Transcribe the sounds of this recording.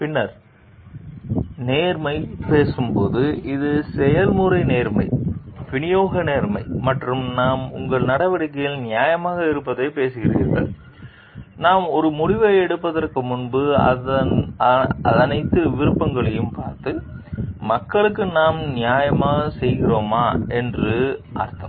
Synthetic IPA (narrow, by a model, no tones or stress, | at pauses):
pɪnːɐɾ | neːɾmɐɪpeːsɯmpoːðɯʔɪðɯsɛjɐlmʊɾɐɪneːɾmɐɪʋɪɳɪjoːɣɐneːɾmɐɪmɐʈrɯmnaːmʊ̰ŋɡɐɭnɐɽɐʋɐɽɪk̬ːɐjɪlnɪjaːjɐmaːɣɐɪɾɯpːɐðeːpeːsɯɣɪrḭːnɡɐ̰ɭ | naːmɔɾɯmʊɽɪʋɐɛɽɯpːɐðɐrkɯmʊnbɯɐ̰ | ɐðɐnɐɪt̪ːɯʋɪɾɯpːɐŋɡɐɭɐjɯmpa̰ːɾt̪ɯmɐkːɐɭɯkːɯnaːmnɪjaːjɐmaːɣɐsɛjɣɪroːmaːɛndrɯʔa̰ːɾt̪ːɐmm